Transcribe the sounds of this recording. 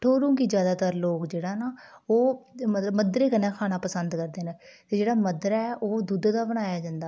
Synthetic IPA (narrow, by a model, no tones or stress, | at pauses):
ʈʰoːɾũːkiːd͡ʒjaːd̪aːt̪əɾloːkd͡ʒeːɽaːnaːoːməəməd̪ɾeːkənːãːkʰaːnaːpəsənd̪kəɾd̪eːnət̪eːd͡ʒeːɽaːməd̪ɾɛːʔoːd̪ʊd̪d̪aːbəɽ̃aːjaːd͡ʒãːnd̪aː